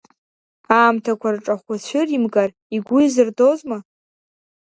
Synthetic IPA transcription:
aːmtʰakʷʰarʈ͡ʂʼaχʷat͡ɕʷʰɪrimɡar | iɡʷʊjzɨrdozma

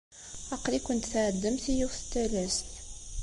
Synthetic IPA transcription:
ɑqlikʷːənt̪θʕəd̪ːəmθijuθə̥t̪ːælæst

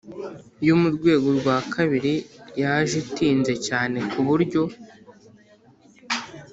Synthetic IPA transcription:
jumuɾɡwe̞ːɡoɾɡwaːkʰaβiɾijaʒitiːnze̞caːne̞kuβuɾɟo̞

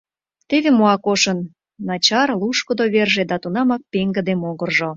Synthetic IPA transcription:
t̪eβemoɑkoʃənː | ɑt͡ɕɑrluʃkŏd̪oβerʒed̪ɑt̪unɑmɑk̚peŋɡə̆d̪emoɣərʒo

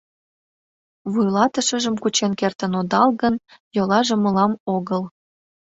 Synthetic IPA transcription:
βujlɑt̪əʃəʒəmkut͡ɕenkert̪ənod̪ɑlɣənjolɑʒĕməlɑmoɣəl

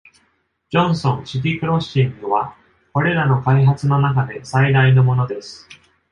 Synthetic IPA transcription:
d͡ʑõ̞ɰ̃sõ̞ɰ̃ɕit̪̬ʲikɯ̟ɾo̞ɕĩŋɡɯ̟βa | ko̞ɾe̞ɾano̞kaiɦat͡sɨno̞nakad̪e̞said̪aino̞mo̞no̞d̪e̞sɨ̥

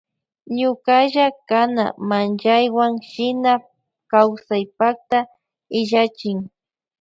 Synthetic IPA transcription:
ɲʊkaʒakana̰mand͡ʒajwaŋʃɪna | kawsajpak̚t̪a | ɪʒat͡ʃɪŋ

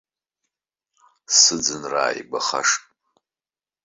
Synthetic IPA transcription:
sɨd͡zɨnra̰ːjbaχa̰ʂtʼ

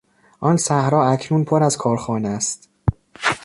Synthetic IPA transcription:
ʔɒːnsæhɾɒːæcʰnuːnpʰoɾæzkʰɒːɾxɒːnest̪

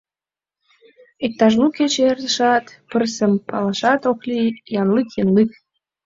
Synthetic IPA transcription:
ek̚t̪ɑʒmuket͡ɕerzəʃɑt̪pərsəmpɑlɑʃɑt̪oklijɑnlikjənlik̚

